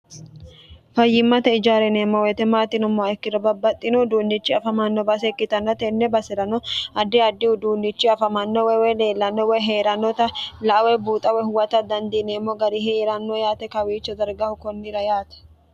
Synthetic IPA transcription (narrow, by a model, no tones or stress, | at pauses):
fɐjːɪmːɐt̪ɛɪd͡ʒaːɾɛneːmːɔwɛt̪ɛmaːt̪ːɪnɔmɔɛkːɪɾɔbɐbːɐt̪ʼːɪnɔd̪uːnːɪt͡ʃːɪɐfɐmɐnːɔbɐs̬ɛkːɪt̪ɐnːɐt̪ɛnːɛbɐsɛɾɐnɔɐd̪ːɪɐd̪ːɪhʊd̪uːnːɪt͡ʃːɪɐfɐmɐnːɔwɛwɛjle̞ːlːɐnːɔwɛjɦeːɾɐnːɔt̪ɐlɐʔɐwɛbuːt̪ʼɐwɛhʊwɐt̪ɐd̪ɐnd̪ineːmːɔɡɐɾɪɦeɾɐnːojaːt̪ɛkɐwiːt͡ʃːɔd̪ɐɾɡɐhʊkɔnːɪɾɐjaːt̪ɛ̥